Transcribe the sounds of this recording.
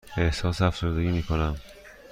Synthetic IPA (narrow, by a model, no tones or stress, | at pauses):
ehsɒːsæfz̥o̞ɾd̪e̞ɟiːmiːkʰo̞næm